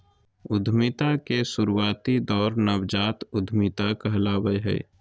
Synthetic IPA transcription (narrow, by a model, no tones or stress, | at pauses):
ʊd̪ʱmit̪akesuɾuwaːt̪id̪ɔːɾnəbd͡ʒaːt̪ʊd̪ʱmit̪akəɦlaːbəjɦə̰